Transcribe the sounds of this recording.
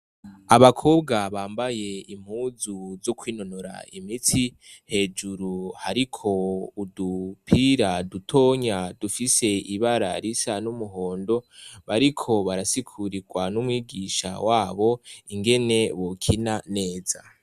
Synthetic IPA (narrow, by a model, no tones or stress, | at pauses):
aβakʰo̞ːbɡaβaːmbaje̞im̥huːzuzokwiːno̞noɾa̰imitʰi | he̞ːd͡ʒuɾuhaɾikʰo̞udupʰiɾadutʰo̞ːɲadufise̞iβaɾa̰ɾisanumuɦo̞ːndo̞βaɾikʰo̞βaɾasikʰuɾiɡwanumwiːɡiʃa̰waːβo̞iŋɡe̞ne̞βokʰinane̞ːza̰